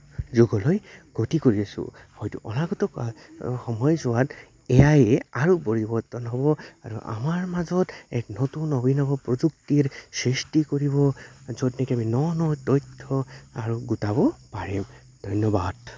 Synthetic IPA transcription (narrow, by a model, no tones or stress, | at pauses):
zuɡɔlɔjɡ̥otikoɹiasṵhɔjtṵʔɔ̰naɡɔtɔkxɔmɔjzʊwat | eajeaɹupoɹibɔɹtɔnɦɔbɔaɹṵʔa̰maɹmazɔtɛ̰knotunɔbinɔbɔpɹɔd͡ʒuktiɹsɹistikoɹibɔzɔdnɛkɛaminɔnɔtɔjtʰːɔaɹuɡutabɔpaɹim | d̥̪ʱɔjnɔbad̥